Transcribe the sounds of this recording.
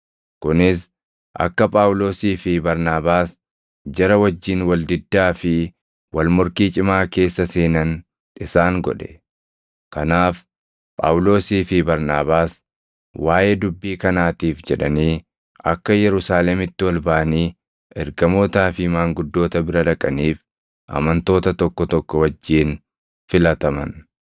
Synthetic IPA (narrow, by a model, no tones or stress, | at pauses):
kʊnɪs | ʔɐ̰kːɐpʼaːwʊlo̞ːsiːfɪbɐɾnaːbaːs | d͡ʒɐɾɐwɐd͡ʒːiːnwɐld̪ɪd̪ːaːfɪ | wʔɐlmʊɾkiːt͡ʃʼɪmaːke̞ːsːɐse̞ːnɐn | ᶑɪsaːŋɡɔ̰ᶑɛ̥ | kɐnaːf | pʼa̰ːwʊlo̞ːsiːfɪbɐɾnaːbaːs | waːjed̪ʊbːiːkɐnaːt̪iːfd͡ʒɛᶑɐniː | ʔɐkːɐjɛɾʊsaːlɛmɪt̪ːɪwɐlbɐʔɐniː | ʔɛɾɡɐmoːt̪aːfɪmaːŋɡʊd̪ːo̞ːt̪ɐbɪɾɐᶑɐkʼɐniːf | ʔɐ̰mɐnt̪o̞ːt̪ɐt̪ɔkːɔt̪ɔkːɔwɐd͡ʒːiːn | fɪlɐt̪ɐmɐ̰n